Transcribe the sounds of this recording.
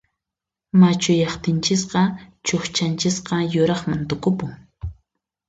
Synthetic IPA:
mat͡ʃʊjɑχt̪ɪnt͡ʃɪsqɑt͡ʃoχt͡ʃant͡ʃɪsqɑjʊɾɑχmant̪ʊkʊpʊŋ

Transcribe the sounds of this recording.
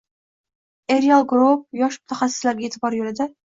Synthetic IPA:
eɾjɑlˠɡɾop̚jɑʃmu̥t̪ʰɛχæsːɪ̥slæɾɡʲeːt̪ʰɪbɑɾjølɪd̪ɛ

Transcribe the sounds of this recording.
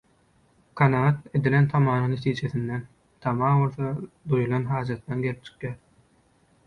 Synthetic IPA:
kʰɑnɑʁɑt̪e̞d̪ile̞nt̪ʰɑmɑːɾɯŋne̞t̪ʰiːd͡ʒe̞θind̪en | t̪ʰɑmɑːβo̞lˠθɑ | d̪ujulˠɑnɦɑːd͡ʒɑt̪d̪ɑnɡe̞lip̚t͡ʃʰɯ̥qjæːɾ

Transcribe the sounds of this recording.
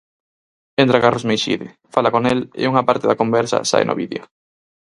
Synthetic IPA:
ent̪ɾakarlozmejʃḭðe | falakonelḛuŋapaɾt̪eðakombɛɾsa̰sa̰jnʔo̰βiðeo

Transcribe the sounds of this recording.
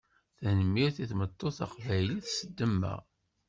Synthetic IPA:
θænəmːiɾθiθmət̪ˤːoθɑ̰qvæjliθsəd̪ːəmːæ̰

